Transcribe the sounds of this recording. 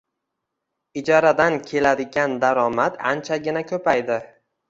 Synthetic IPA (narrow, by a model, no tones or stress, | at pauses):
ɪd͡ʒɒɾad̪ankʲʰe̞lad̪ɪɡʲand̪aɾɒmat̪ant͡ʃʰaɡʲɪnakʰɵpajd̪ɪ